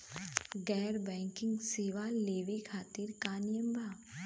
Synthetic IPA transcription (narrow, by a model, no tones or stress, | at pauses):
ɡɛːɾbɛ̃ːŋkɪ̃ŋɡseːʋaleːʋekʰaːt̪iɾkaːnjəmbʱaː